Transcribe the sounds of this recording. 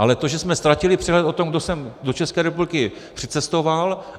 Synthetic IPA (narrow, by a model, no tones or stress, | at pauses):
ʔalɛt̪o̞ʒɛsmɛst̪ɾacɪlɪpr̥ɛɦlɛt̪o̞t̪o̞mɡdo̞sɛmdo̞t͡ʃɛskɛːɾɛpublɪkɪ | pr̥ɪt͡sɛst̪o̞val